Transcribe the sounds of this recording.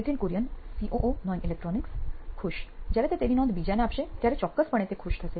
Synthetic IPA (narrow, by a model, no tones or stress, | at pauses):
et̪ʰinkuɾjənsiʔoʔonɔjnilek̚ʈɾɔnikskʰuʃd͡ʑaɾet̪et̪eɾinɔ̃nd̪bid͡ʑaneapʃet̪jaɾet͡ɕɔkːəspəɳ̃et̪ekʰuʃt̪ʰəse